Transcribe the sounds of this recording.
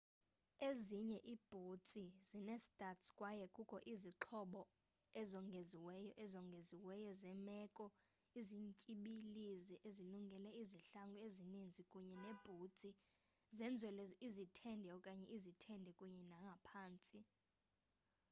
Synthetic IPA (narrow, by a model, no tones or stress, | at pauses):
eziɲɛʔiːb̥ʱut͡sʼizinɛstʼatskʼwajɛkʼukʰʼɔʔiziǁʰɔɓɔ | ɛzɔŋɡʱeziwɛjɔʔɛzɔŋɡʱeziwɛjɔzɛmɛːkʼɔ | iziɲcʼiɓiliziʔeziluŋɡʱɛlɛiziɬaŋɡʱuezinind͡zʱikʼuɲɛneb̥ʱut͡sʼi | zɛnd͡zʱwɛlɔizitʰɛndʱɛɔkʼaɲɛʔizitʰɛndʱɛkʼuɲɛnaŋɡʱapʰaːnt͡sʼi